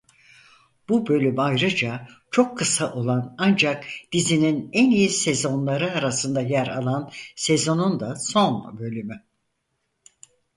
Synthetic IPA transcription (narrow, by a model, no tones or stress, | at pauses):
b̥ubø̞lʲymajɾɯd͡ʒat͡ʃʰo̞kʰːɯsaʔo̞lˠanand͡ʒakd̪̥izininænijisezo̞nlˠaɾɯaɾasɯnd̪ajæɾa̰lˠansezo̞nund̪aso̞nbø̞lʲymy